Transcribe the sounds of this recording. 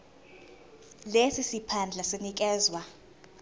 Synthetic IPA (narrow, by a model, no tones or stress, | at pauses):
lesisipʰand͡ɮʱasenik̬ʼɛːzwa